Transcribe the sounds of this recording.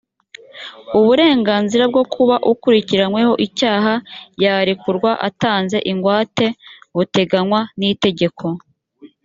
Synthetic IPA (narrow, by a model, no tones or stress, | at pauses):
uβuɾe̞ːŋɡaːnziɾab̚ɡo̞kʰuβaʔukuɾiciɾanwe̞ho̞ʔicaːɦajaːɾikuɾɡwaʔa̰taːnze̞̰ʔiŋɡwaːte̞βute̞ɡanwanite̞ɟe̞kʰo̞